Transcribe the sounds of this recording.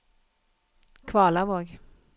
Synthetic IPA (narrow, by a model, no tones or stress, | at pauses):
kʰvɑːlavoːɡ